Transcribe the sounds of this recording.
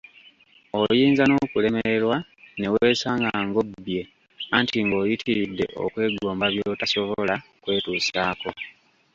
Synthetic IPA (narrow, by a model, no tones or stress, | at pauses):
o̞jiːnzano̞kule̞meeɾwane̞we̞ːsaːŋɡaːŋɡo̞bje̞ | antiŋɡo̞ːjitʰiɾidːe̞̰ʔo̰kwe̞ːɡo̞ːmbaβjoːtaso̞βolakwe̞ːtuːsaːko̞